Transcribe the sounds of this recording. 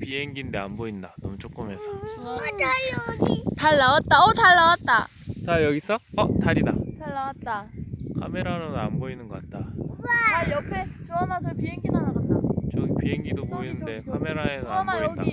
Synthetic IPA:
piɦeŋɡinde̞anboindanʌmut͡ɕ͈ok͈ɯmɦe̞sʰʌanitaɭːawat̚t͈aʌtaɭːawat̚t͈a̰ | t͡ɕajʌɡisʰʌʌtaɾidataɭːawat̚t͈akʰa̰me̞ɾaɾonɯnanboinɯnɡʌk͈at̚t͈amaɭjʌpʰe̞t͡ɕoamat͡ɕʰʌpiɦe̞ŋɡidaɾaɡat͈at͡ɕʌɡpiɦeŋɡidoboinɯnde̞kʰame̞ɾaesʰʌamaʌɡdai

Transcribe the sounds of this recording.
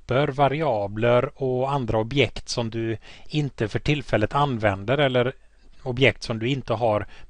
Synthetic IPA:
pəɾvaɾɪɑːbləɾɔand̪ɾaɔbjɛkt̪sɔmd̪ɵɪnt̪əfœʈʰɪlfɛlːət̪anːvɛnd̪əɾɛlːəɾ | ɔbjɛk̚t̪sɔmd̪ɵɪnt̪əɦaɾ

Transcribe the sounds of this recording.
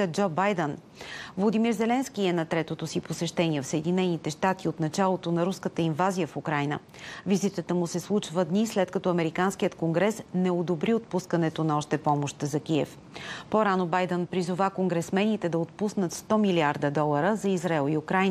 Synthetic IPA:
əd͡ʒɔbajd̪ɛn | vlˠod̪imiɾzɛlɛnsk̟iɛnɐt̪ɾɛt̪ot̪osiposɛʃt̪ɛniɛfsəɛd̪inɛnit̪ɛʃt̪at̪iot̪nɐt͡ʃalˠot̪onɐɾuskət̪əinvazijəfukɾajnə̰ | vizit̪ət̪əmusɛslˠut͡ʃvəd̪nislɛt̪kɐt̪ɔɐmɛɾikanskijət̪koŋɡɾɛsnɛod̪obɾiot̪̚puskənɛt̪onɐɔʃt̪ɛpɔmoʃt̪zɐk̟iɛf | poɾanobajd̪ɛnpɾizʊvakoŋɡɾɛsmɛnit̪ɛd̪ɐot̪̚pusnət̪st̪ɔmiliaɾd̪əd̪ɔlˠəɾəzɐizɾaɛlˠiukɾajn

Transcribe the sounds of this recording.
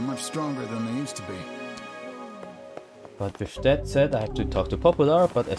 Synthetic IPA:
mʌt͡ʃstɹ̥ɔ̃ŋɡə˞ðə̃nðeɪjʉˑstʰəbi | watv̥ɪʃtɛtsɛdaɪhæftətʰɔːk̚tʰəpʰɔpjəlˠə˞b̥ʌɾə

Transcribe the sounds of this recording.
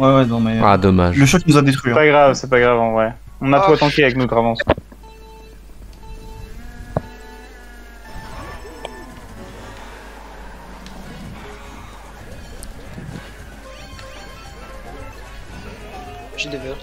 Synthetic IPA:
wɛwɛnɔ̃mɛad̪ɔmaʒləʃɔknuzad̪et̪χɥipaɡʁavsɛpaɡʁavɑ̃vɛ | ɔ̃nat̪wat̪ɑ̃keavɛknud̪ʁavɑ̃s

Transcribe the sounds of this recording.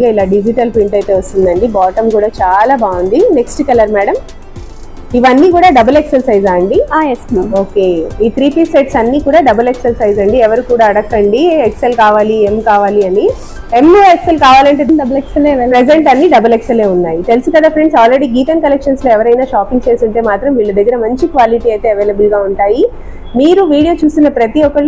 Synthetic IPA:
ɡaːilaːɖid͡ʒiʈɐlpiɳʈɐjt̪e̞ːʋɐst̪und̪ɐɳɖibaːʈɐmkuːɽaːt͡ʃaːlaːbaːund̪ine̞ksʈkɐlɐɾmæːɽɐm | iʋɐnːiːkuːɽaːɖɐbɐleksɐɾsɐjzaːɐɳɖiasoːkeiːt̪ʰɾiːpiːseʈsɐnːiːkuːɽaːɖɐbɐleksɐɾsɐjzɐɳɖiɛʋɐɾikuːɽaːɐɽɐkːɐɳɖiekselkaːʋaːlie̞mkaːʋaːliɐni | emekselkaːʋaːlɐɳʈ̬eːɖɐbɐleksɐlepɾed͡ʒeɳʈɐnːiːɖɐbɐleksɐle̞ːunːaːjit̪elsukɐd̪aːfɾe̞ɳɖsaːlɾe̞ɽiːɡiːʈɐnkɐlekʂɐnslo̞ːɛʋɐɾɐjnaːʃaːpiŋɡ̚t͡ʃe̞ːst̪uɳʈe̞ːmaːt̪ɾɐmʋiːɭːɐd̪ɐɡːɐɾɐmɐɲt͡ʃikʋaːliʈiːɐjt̪eːɐʋe̞ːlɐbulɡaːuɳʈaːji | miːɾuʋiːɽijo̞ːt͡ʃuːst̪unːɐpɾɐt̪iɔkɐɭ

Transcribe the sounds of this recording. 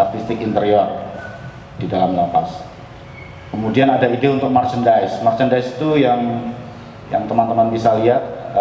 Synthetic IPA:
art̪ist̪ɪkint̪əɾiɔr | d̥idalamləpas | kəmudianadaidɪunt̪ʊk̚mart͡ʃəndaɪsmart͡ʃəndaɪsi̥t̪ujaŋ | ja̰ŋt̪əmant̪əmanbisaliɦat̪̚

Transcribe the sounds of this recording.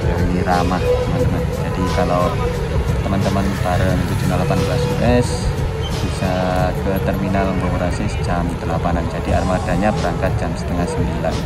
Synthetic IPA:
janiɾamaht̪əmant̪əmənd͡ʒadikalaw | t̪əmənt̪əmənpaɾəŋt̪ud͡ʒunalapanbəlasuʔɛs | b̥isakət̪ərminaləŋɡəmuɾasisd͡ʒamt̪əlapanand͡ʒadia̰rmad̥aɲabəɾaŋkat̪̚d͡ʒamsə̥t̪əŋahsəmbilan

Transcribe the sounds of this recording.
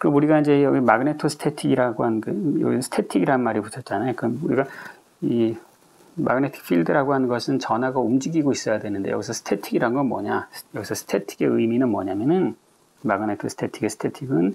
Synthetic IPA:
kɯɾʌmuɾiɡaind͡ʑe̞jʌɡimaɡɯne̞tʰosʰɯ̥tʰe̞tʰiɡiɾaɡoɦannkɯjʌ̰ɡisʌsʰɯ̥tʰe̞tʰiɡiɾaɯnmaɾiputʰʌt̚t͡ɕ͈anajokɯɾʌmuɾiɡa | i | ma̰ɡɯne̞tʰi̥k̚fʰiɭdɯɾaɡoɦanɯnɡʌsʰɯnt͡ɕʌnaɡaumd͡ʑiɡiɡois͈ʌjadwe̞nɯnde̞jʌɡisʰʌsʰɯ̥tʰe̞tʰiɡiɾanɯnɡʌnmwʌ̰ɲajʌɡisʰʌsʰɯ̥tʰe̞tʰi̥ɡe̞ɯjminɯnmʌɲamjʌnɯn | maɡɯne̞tʰosʰtʰetʰiɡesʰɯ̥tʰetʰiɡɯn

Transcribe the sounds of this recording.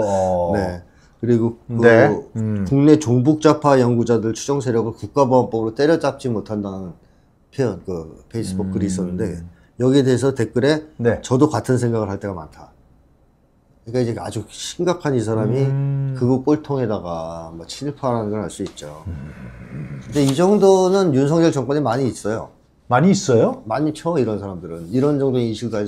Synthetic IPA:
ne̞ | kɯɾiɡokɯ | kuŋne̞t͡ɕoŋbuk̚t͡ɕ͈apʰajʌŋɡud͡ʑadɯɭt͡ɕʰud͡ʑʌŋsʰe̞ɾjʌɡɯɭkuk̚k͈aboap͈ʌbɯɾot͈eɾjʌt͡ɕ͈ap̚t͡ɕ͈imotʰandanɯn | pʰeʌnkɯpʰe̞is͈ɯbukʰɯɾiːs̬͈ʌnːɯnde̞ | jʌɡie̞de̞ɦesʰʌte̞k͈ɯɾe̞net͡ɕʌdokatʰɯnsʰe̞ŋɡaɣɯɭhaɭt͈e̞ɡamantʰa | kɯɲik͈aid͡ʑe̞a̰d͡ʑuɕʰimɡakʰanisʰaɾamikɯɡop͈oɭtʰoŋɦe̞daɡamʌt͡ɕʰinipʰaɾanɯnɡʌɾɦaɭs͈oit̚t͡ɕ͈o | kɯnde̞id͡ʑʌŋdonɯnjunsʰʌŋd͡ʑʌɭt͡ɕʌŋk͈ʌɲemaɲiːs͈ʌjo̰ | maɲiːs͈ʌjomaɲit͡ɕʰoiɾʌnsʰaɾamdɯɾɯniɾʌnd͡ʑʌŋdoɲiɕʰiɭk͈a

